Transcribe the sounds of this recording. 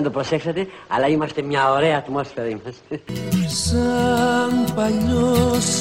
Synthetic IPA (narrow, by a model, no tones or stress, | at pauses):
nd̪o̞pɾo̞se̞ksɐt̪e̞ | ɐ̰lɐimɐst̪e̞mɲɐoɾe̞ɐːt̪mo̞sfe̞ɾɐimɐst̪eesɐnpɐʎos